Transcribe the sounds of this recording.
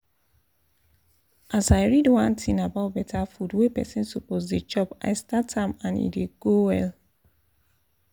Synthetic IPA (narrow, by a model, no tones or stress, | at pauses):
ʔasaɪɹidwãntʰĩnabaʊt̚bɛtʰafudwepɛ̰sĩnsopozded͡ʒɔpa̰ɪstatãmãnḭdeɡ̥owɛl